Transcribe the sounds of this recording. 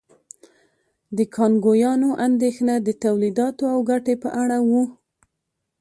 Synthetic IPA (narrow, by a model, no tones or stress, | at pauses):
d̪əkʰɑnɡojɑnoʔand̪exnad̪ət̪awlid̪ɑt̪oawɡaʈepəʔaɽawu